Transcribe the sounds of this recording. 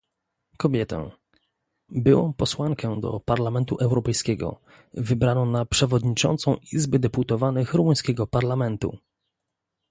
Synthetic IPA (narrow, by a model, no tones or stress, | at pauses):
kɔbʲjɛt̪ɛ̰̃ | bɘwɔ̰̃mpɔswaŋkɛd̪ɔ̰paɾlamɛnt̪uʔɛwɾɔpɛjskʲɛɡɔ̰ | vɘbɾanɔ̃w̃napʂɛvɔd̪ɲit͡ʂɔ̰nt̪sɔ̃w̃ʔizbɛd̪ɛput̪ɔvanɘxɾumuj̃skʲɛɡɔpaɾlamɛnt̪ṵ